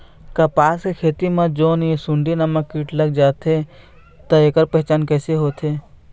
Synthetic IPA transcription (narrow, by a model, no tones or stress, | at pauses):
kɐpaːskekʰeːt̪imãd͡ʒoːnjesʊ̃ɳɖinɐməkːiːʈlɐɡ̚d͡ʒaːt̪e | t̪ɐeːkəɾpɛɦt͡ʃaːnkɛːseɦoːt̪eː